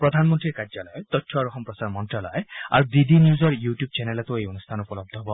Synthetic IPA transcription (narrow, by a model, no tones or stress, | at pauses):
pɾɔd̪ʱanmɔnt̪ɾiɾkaɾd͡ʒalɔjet̪ɔtʰːɔaɾɔɦɔmpɾɔsaɾmɔɳʈalɔ̰ea̰ɾud̪id̪ʱinjuzɔɾjuʈjub̚t͡ʃenelɔt̪uejɔnust̪ʰanɔupɔlɔb̚d̪ʱɔɦɔbɔ